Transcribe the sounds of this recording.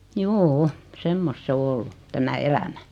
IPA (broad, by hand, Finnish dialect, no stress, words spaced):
juːu semːost s o olːu tæmæ elæmæ